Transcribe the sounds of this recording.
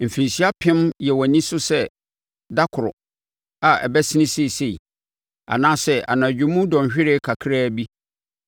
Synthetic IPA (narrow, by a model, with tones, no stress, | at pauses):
m̩˨fĩ˨n˨si˦a˦pʰɪ̃˦mjɛ˨wɔ˨nĩ˦sʊ˦sɛ˦ | da˦kʰʊ˨ɾʊ̰˨ | a˨ʔɛ̰˨bɛ˦sɪ˦nɪ̃˦se˦i˨se˦˨ḭ˨ | a̰˨nãː˦sɛ˦a̰˨nãː˨d͡ʑᶣʊ̃˨˦mũ˦dɔ̃˨ɕᶣɪ˦ɾe˦kʰa˨kʰɪ˦ɾa˦˨bi˦